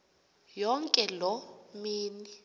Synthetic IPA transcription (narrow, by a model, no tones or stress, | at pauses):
jɔŋkʼɛlɔmiːni